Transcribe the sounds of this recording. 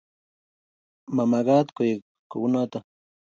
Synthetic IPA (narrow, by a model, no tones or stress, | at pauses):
mamaɢɑt̪kʊj | kʊnat̪a